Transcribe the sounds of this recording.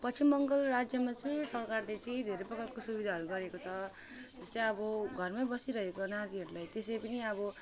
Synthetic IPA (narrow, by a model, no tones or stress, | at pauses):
pʌt͡simːʌŋɡʌlrad͡zjʌmat͡sʌĩsʌrkarlet͡sʌĩd̪ʱeɾeprʌkʌtkosubid̪ʱaɦʌɾuɡʌɾekot͡sʰʌ | d͡zʌst͡sãʌbʌɡʱʌrmabʌsiɾʌɦekonaɾiɦʌɾulajt̪esepʌniʌbʌ